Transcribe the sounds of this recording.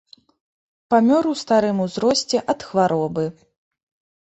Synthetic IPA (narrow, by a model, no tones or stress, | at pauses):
pamʲɔɾuwst̪aɾɨmuzɾɔsʲt͡sʲɛʔɐt̪xvaɾɔbɨ